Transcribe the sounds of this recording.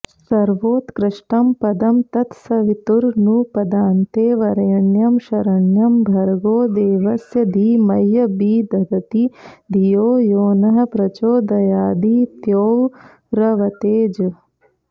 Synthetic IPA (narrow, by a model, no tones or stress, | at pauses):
sɐɾʋoːt̪kɾɪʂʈɐmpɐd̪ɐmt̪ɐt̪sɐʋit̪uɾnupɐd̪aːnt̪eːʋɐɾɐjɐɳjɐmʃɐɾɐɳjɐmbʱɐɾɡoːd̪eːʋɐsjɐd̪ʱiːmɐjːɐbiːd̪ʱɐɡɐt̪id̪ʱijoːjoːnɐɦɐ̆pɾɐt͡ʃoːd̪ɐjaːd̪iːt̪joːʋ | ɾɐʋɐt̪eːd͡ʒ